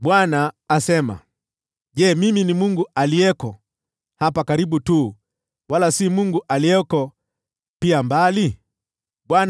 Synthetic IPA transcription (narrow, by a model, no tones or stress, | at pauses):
ɓwanaːsɛma̰ | ʄɛːmiminimuŋɡuʔalijɛkɔ | hapakaɾiɓutuː | walasimuŋɡuʔaliɛkɔ | piambali | ɓwan